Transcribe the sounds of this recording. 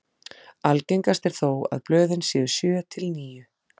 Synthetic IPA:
alcejŋkast̪ɛɾ̥θoːwa̰ðplœːðɪnsjɛːðʏ̥sjœːt̪ʰɪlniːjʏ

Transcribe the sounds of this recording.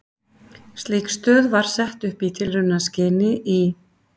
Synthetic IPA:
st̪likst̪œːðvaɾ̥sɛht̪ʏhpit̪ʰɪlrʏnascɪːnɪʔi

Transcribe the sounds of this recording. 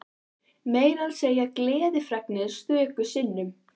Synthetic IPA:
meːjɾalseːjaklɛːðɪfɾɛknɪð̥st̪vʏːkʏ̥sɪnːʏm

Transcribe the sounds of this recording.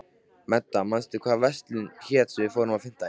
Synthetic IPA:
mɛt̪ːamanst̪ɪkʰvaːðvɛst̪lɪnçɛːt̪svɪðfowɾʏmafɪn̥t̪a

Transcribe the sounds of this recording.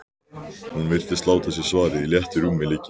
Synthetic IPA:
hunmɪr̥t̪ɪst̪laːwt̪ʰasjɛɾ̥svaːɾɪiljɛht̪ɪɾuːmɪlɪːcɪ

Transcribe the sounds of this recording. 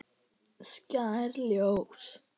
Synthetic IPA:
scaɾljows

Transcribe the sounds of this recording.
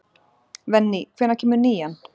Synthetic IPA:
vɛnːikʰvɪnacʰɪmʏniːjan

